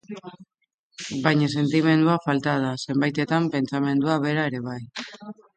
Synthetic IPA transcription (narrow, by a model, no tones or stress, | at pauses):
bajɲas̬e̞nt̪ime̞nd̪uafalt̪aðase̞mbajt̪e̞t̪ampe̞nt͡same̞nd̪uaβ̞e̞ɾae̞ɾe̞β̞aj